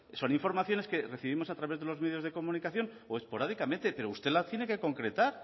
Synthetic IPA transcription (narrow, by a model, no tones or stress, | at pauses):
so̞niɱfo̞ɾmaθjo̞ne̞ske̞re̞θiβimo̞sat̪ɾaβe̞zðe̞lo̞zmeðjo̞zðe̞ko̞mũnikaθjo̞n | oe̞spo̞ɾaðikamẽnt̪e̞pe̞ɾoust̪e̞lat̪je̞ne̞ke̞ko̞ŋkɾe̞t̪aɾ